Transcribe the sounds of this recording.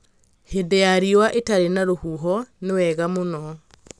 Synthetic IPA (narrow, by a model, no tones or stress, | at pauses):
hedɛaɾiwaʔetaɾenaɾohuɦɔnewɛɣamonɔ